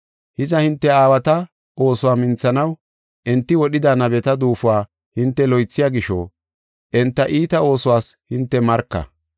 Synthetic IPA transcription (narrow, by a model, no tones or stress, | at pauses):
hɪzɐhɪnt̪ːɛaːwɐt̪ɐ | ʔo̞ːsʊwaːmɪnt͡sːɐnɐw | ʔɛnt̪ːɪwɔɗɪd̪anɐbɛt̪ɐd̪uːfʊwaː | hɪnt̪ːɛlɔjt͡sːɪjaːɡɪʃo̰ː | ʔɛnt̪ːɐʔiːt̪ɐo̞ːsʊwaːshɪnt̪ːɛmɐɾkːɐ̰